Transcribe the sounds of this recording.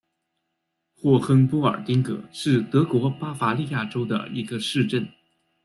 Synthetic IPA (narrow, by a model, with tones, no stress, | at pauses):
xwɔ˥˩xə˥npɔ˥ə̰˞˨˩t̪i˥ŋkɤ̰˧˩˦ʂɻ̩˥˩t̪ɤ˧˥kwɔ˧˥pa˥fa˧˥li˥˧ja˥˩ʈ͡ʂo˥ʊd̪ə̰˩i˧˥ɡə˧ʂɻ̩˥˧ʈ͡ʂə˥˩n